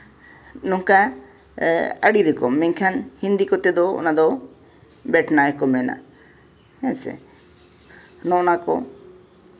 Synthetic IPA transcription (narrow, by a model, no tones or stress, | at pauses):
nɔŋka | əɽiɾɛkɔmːɛŋkʰanhind̪ikɔt̪ɛd̪ɔɔ̰nad̪ɔ | bɛʈnaɛkɔmɛna̰ | ɛnsɛ̰ | nɔ̃nakɔ̰